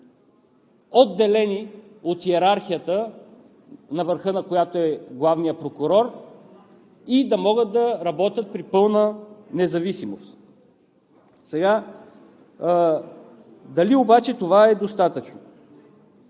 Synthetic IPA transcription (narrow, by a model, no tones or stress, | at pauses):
od̪ːɛlɛni | ot̪xiɛɾaɾxijət̪ə | nɐvəɾxɤnɐkojat̪oɛɡlˠavnijəpɾokʊɾɔɾ | id̪ɐmɔɡət̪̚d̪ɐɾɐbɔt̪ʲət̪̚pɾipɤlˠnənɛzɐvisimost̪ | sɛɡa | d̪ɐliobat͡ʃɛt̪ovaɛd̪ost̪at̪ət͡ʃno